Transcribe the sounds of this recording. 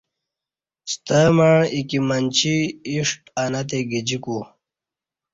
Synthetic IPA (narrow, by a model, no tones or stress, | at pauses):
st̪əmaɻikimɐnt͡ɕiːʂʈanɐt̪eɡid͡ʑiku